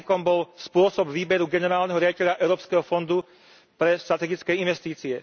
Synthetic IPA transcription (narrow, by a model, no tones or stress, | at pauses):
kɔmbɔlspʊɔsɔbʋiːbɛɾuɡɛnɛɾaːlnɛɦɔɾɪaɟicɛʎaʔɛʊɾɔːpskɛɦɔfɔnd̪u | pɾɛst̪ɾat̪ɛɡit͡skɛinʋɛst̪iːt͡siɛ